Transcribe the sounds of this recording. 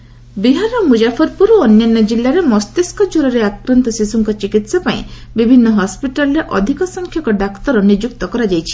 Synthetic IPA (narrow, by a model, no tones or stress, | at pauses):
biɦanɔmud͡ʒapʰɔɾpuɾuɔnjanːɔd͡ʒilːaɾemɔst̪eskɔd͡ʒuɾɔɾeakɾɔnt̪ɔsisuŋkɔt͡ʃikit̪sapaḭ̃bibʱinːɔɦɔspiʈalɔɾeʔɔd̪ʱikɔsɔŋkʰjɔkɔɖakt̪ɔɾɔnid͡ʒuk̚t̪ɔkɔɾad͡ʒajt͡ʃʰi̥